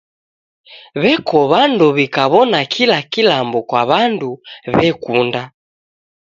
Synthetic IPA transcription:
βɛkʰɔβanduβikaβɔnakʰilakilambɔkwaβanduβɛkunda

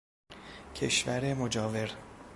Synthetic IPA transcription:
cʰḛʃvæɾemod͡ʒɒːve̞ɾ

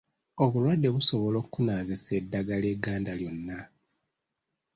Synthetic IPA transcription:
o̞βulwadːe̞βuso̞βolo̞ːkːunaːzisedːaɡaleɡaːndaljo̞nːa

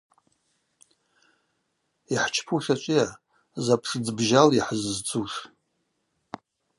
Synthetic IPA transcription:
iħt͡ʃʰpʰuʂat͡ʃʷʼija | zapʰʂd͡zbʒaliħəzzt͡sʰʼuʂ

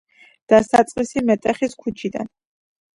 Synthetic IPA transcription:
d̪̥asat̪sʼqʼisimɛt̪ʼɛχiskʰut͡ʃʰid̪a̰n

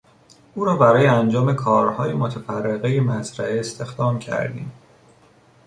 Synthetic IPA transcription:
uːɾɒːbæɾɒːjeænd͡ʒɒːme̞kʰɒːɾhɒːjemot̪ʰæfærːeɣejemæzɾæʔeːst̪e̞xd̪ɒːmcʰæ̰ɾd̪ḭːm

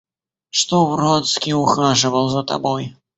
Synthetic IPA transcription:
ʂt̪ɔbɾɔt̪skʲiuxaʐɨvɐwˠzɐt̪a̰bɔj

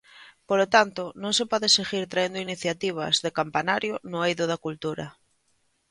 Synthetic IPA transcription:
polot̪ant̪onõŋsepɔðeseɣiɾt̪ɾaend̪oiniθjat̪iβ̞a̰zðekampanaɾjonʊejðoðakult̪uɾa

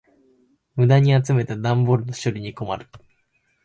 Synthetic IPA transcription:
mɯ̟d̪aɲ̟iat͡sɨme̞t̪ad̪ãmboɾɯ̟no̞ɕoɾʲiɲ̟iko̞ma̰ɾɯ̟

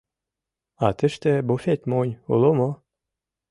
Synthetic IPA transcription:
ɑt̪ɘ̆ʃt̪ĕbufet̪monʲulˠomo

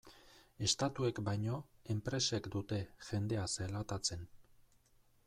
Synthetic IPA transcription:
e̞st̪at̪ue̞kbajɲo̞e̞mpɾe̞se̞kd̪ut̪e̞ʝe̞nd̪e̞aselat̪at͡se̞n

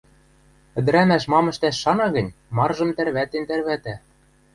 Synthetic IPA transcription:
ɘ̆d̪ɘ̆ɾæmæʃmɑmɤ̆ʃt̪æʃːɑnɑɣɤ̆nʲmɑrʒɤ̆mt̪ærβæt̪ent̪ærβæt̪æ

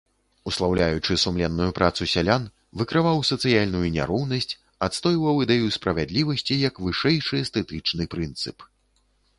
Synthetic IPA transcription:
uslˠawlʲajut͡ʂɨsumlʲɛnːujupɾʔat̪susʲalʲan | vɨkɾɨvawsɐt̪sɨjalʲnujunʲa̰ɾɔwnɐsʲt͡sʲ | at̪st̪ɔjvɐwid̪ɛjuspɾɐvʲad̪lʲivɐsʲt͡sʲijɐkvɨʂɛjʂɨst̪ɛt̪ɨt͡ʂnɨpɾɨnt̪sɨp

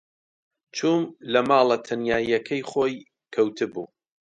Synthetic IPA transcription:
t͡ʃʰuːmlɐmaːlˠɐt̪ʰɐnjaːjɐkʰɐjχoːj | kʰɐwt̪ʰɨbṵː

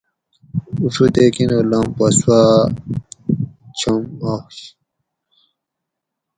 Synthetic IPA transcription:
ufut̪eːkinolampɐswa | t͡ɕʰɐmaxɕ

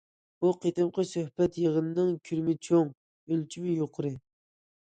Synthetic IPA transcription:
buqʰet̪ɨmqʰəsøhpɛt̪jeʁənɨnɨŋkʲʰyɾmɪt͡ʃʰoŋ | ølt͡ʃʰimɪjoqʰʊɾɨ

